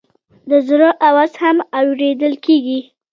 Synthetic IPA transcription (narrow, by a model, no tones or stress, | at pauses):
d̪əzɾəʔawazhamawɾed̪əlkeɡi